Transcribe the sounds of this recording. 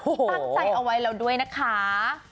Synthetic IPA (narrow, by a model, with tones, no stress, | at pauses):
o˧ha˧˩k̚t͡ɕa˧˩jʔa˧wːa˦˥jɾa˧wdu˥˩əjna˦˥kʰa˦˥